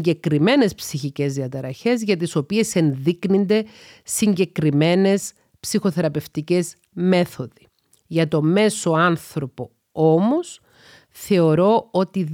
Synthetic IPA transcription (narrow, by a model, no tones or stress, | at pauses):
ɟe̞kɾime̞ne̞spsiçice̞zðiɐt̪ɐɾɐçe̞zʝɐt̪̬iso̞pie̞se̞nðiknind̪e̞siɲɟe̞kɾime̞ne̞s | psixo̞θe̞ɾɐpe̞ft̪ice̞z | me̞θo̞ði | ʝɐt̪o̞me̞so̞ɐnθɾo̞po̞ | o̞mo̞s | θe̞o̞ɾo̞o̞t̪i